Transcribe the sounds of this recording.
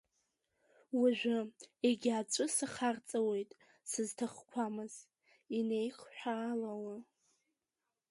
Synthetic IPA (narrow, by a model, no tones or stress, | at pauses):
waʒʷᶣɪeɡʲat͡ʃʷʼʊsaχart͡sʼawe̞jtʼ | sɨztʰaχkʷʰamɨz̥ | ine̞jχħʷᶣaːlawa